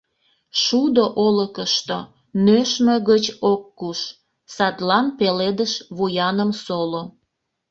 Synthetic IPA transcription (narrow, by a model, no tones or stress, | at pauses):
ʃud̪oʔoləkəʃt̪o | nøʃmeɣət͡ɕokːuʃ | sɑt̪lɑnpeled̪əʃβujɑnəmsolo